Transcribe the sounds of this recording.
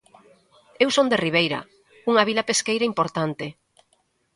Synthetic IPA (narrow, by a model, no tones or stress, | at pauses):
ewsond̪eriβ̞ejɾɐ̰ | uŋɐβilɐpeskejɾɐimpoɾt̪ant̪e